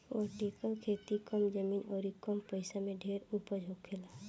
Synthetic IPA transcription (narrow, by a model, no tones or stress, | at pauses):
ʋaʈeːkəlkʰeːt̪ikɔmd͡ʒəmiːnɔːɾikɔmpəɪsamẽɖʱeːɾupəd͡ʒʱokʰela